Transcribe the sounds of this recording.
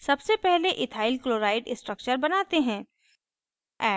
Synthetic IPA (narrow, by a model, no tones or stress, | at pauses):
sɐbsepɛɦleʔɪt̪ʰaːɪlkloːɾaːɪɖɪsʈɾək̚t͡ʃəɾbɐnaːt̪eɦɛ̃ː | ɛː